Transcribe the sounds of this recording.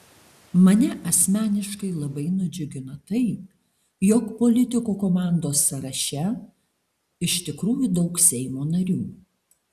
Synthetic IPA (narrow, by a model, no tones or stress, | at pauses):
mɐnʲɛʔɐsʲmʲæːnʲɪʃkɐɪlˠɐbɐɪnʊd͡ʒʲʊɡʲɪnɐt̪ɐɪ | jɔkpoːlʲɪt̪ʲɪkoːkoːmɑˑnd̪oːsːɐɾɐʃʲɛ | ɪʃt̪ʲɪkɾuːjud̪ɒʊksʲɛɪmoːnɐɾʲuː